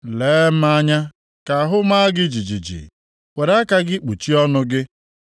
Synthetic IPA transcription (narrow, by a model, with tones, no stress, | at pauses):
leː˨˦m̩˦a˦ɲa˦ | ka˨ɦʊ˦ma˦ɡɪ˦d͡ʒi˨d͡ʒi˨d͡ʒḭ˨ | we˨ɾa˦ka˦ɡɪ˦k͡pu˨t͡ʃi˦ɔ˦nʊ˦ɡɪ˦